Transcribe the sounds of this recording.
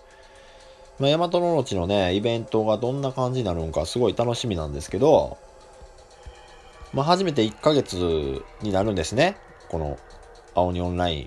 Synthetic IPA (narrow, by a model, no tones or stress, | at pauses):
majamat̪o̞no̞no̞t͡ɕino̞ne̞ibẽ̞nt̪o̞ɡad̪õ̞nːakãɲ̟d͡ʑiɲ̟inaɾɯ̟̃ŋkasɨɡo̞it̪ano̞ɕimʲinã̰nd̪e̞sɨ̥ke̞d̪o̞ | maɦaʑime̞t̪̬e̞ikːaɡe̞t͡sɨɲ̟inaɾɯ̟̃nd̪e̞sɨne̞ | ko̞no̞̰ | ao̞ɲ̟iõ̞nɾaḭ̃